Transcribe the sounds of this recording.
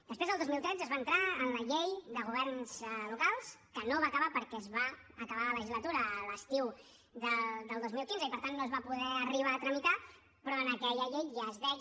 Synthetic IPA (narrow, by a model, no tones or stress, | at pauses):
d̪əspɾezðəlˠd̪ozmilˠt̪ɾɛd͡zzəzβaənt̪ɾaənləʎejðəɣ̞uβ̞ɛɾnz̥lukalˠskənoβaːkəβapəɾkɛzβa | əkəβalələʒizlət̪uɾəːləst̪iw | ðəd̪əlˠd̪ozmilˠkinzəipəɾt̪anːoəzβapuðɛəriβ̞aːt̪ɾəmit̪a | pɾɔənəkɛʎəʎejazðɛ